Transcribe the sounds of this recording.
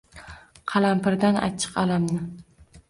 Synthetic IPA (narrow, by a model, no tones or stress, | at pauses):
qʰɑlˠampɪɾd̪ana̰t͡ʃʰɨ̥qalamnɪ